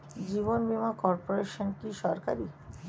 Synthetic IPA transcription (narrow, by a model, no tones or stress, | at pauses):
d͡ʑiβonbimakɔɾpoɾeʃonkiʃɔɾkaɾi